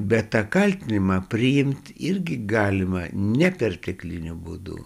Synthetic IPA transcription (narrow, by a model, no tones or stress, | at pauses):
bʲɛt̪t̪ɑkɐlʲt̪ʲɪnʲɪmɑpʲɾʲɪjɪmʲt̪ʲɪɾʲɡʲɪɡɑːlʲɪmɐnʲɛpʲɛrt̪ʲɛklʲɪnʲʊbṵːd̪ṵ